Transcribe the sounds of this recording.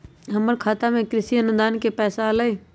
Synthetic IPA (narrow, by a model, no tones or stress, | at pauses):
ɦəməɽkʰaːt̪amẽkɾɪsiənʊd̪aːnkepɛːsaləiː